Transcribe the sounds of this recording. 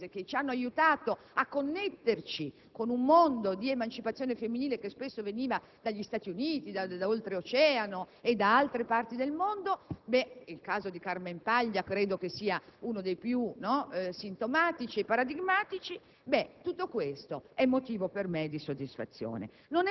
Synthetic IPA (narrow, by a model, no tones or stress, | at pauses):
zek̟et͡ʃianːoajut̪aːt̪o | akːonːet̪ːert͡ʃi | konumːond̪od̪iemant͡ʃipat̪sːjoːnefemːiniːlekespesːoveniːva | d̪aʎːist̪aːt̪iuniːt̪id̪ad̪aolt̪ɾeot͡ʃɛːanoed̪ːaalt̪ɾepart̪id̪elmond̪obɛilkaːzod̪ikarmempaʎːakɾeːd̪okesiːaunod̪ejpjunɔsint̪omaːt̪it͡ʃiepːaɾad̪iɡmaːt̪it͡ʃi | bɛt̪ut̪ːokwest̪oɛmːot̪iːvopermed̪isod̪ːisfa̰t̪sːjo̰ːnḛ | non